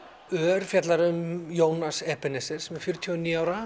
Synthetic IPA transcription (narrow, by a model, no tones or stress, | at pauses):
œːɾfjat̪laɾmjoːwnasɛhpɛnɛsɪɾ̥sɛmɛɾ̥fjʏɾʏt̪ʰjɔniːaːwɾa